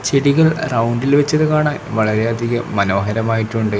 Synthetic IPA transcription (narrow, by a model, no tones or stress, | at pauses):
t͡ɕeɽiɣɐɭrɐwɳɖilʋet͡ɕːɐðɨkaːɳaːnʋɐɭɐɾeɐd̪ʱiɣɐmɐno̞ːɦɐɾɐmaːjiʈːuɳɖɨ